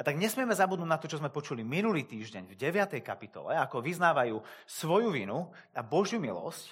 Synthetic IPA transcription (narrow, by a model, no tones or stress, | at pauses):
at̪aɡɲɛsmɪɛmɛzabud̪nuɟnat̪ɔt͡ʃɔzmɛpɔt͡ʃuliminuliːt̪iːʒɟɛɲvɟɛʋɪat̪ɛjkapit̪ɔ̰lɛ̰akɔʋiznaːʋajuːsʋɔjuʋinu | abɔʒɪjumilɔ̰sc